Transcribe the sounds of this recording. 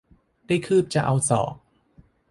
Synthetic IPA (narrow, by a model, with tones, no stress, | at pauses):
daː˥˩jkʰɯː˥˩p̚t͡ɕa̰˨˧˩ʔa˧wsɔ̰ː˩˦k̚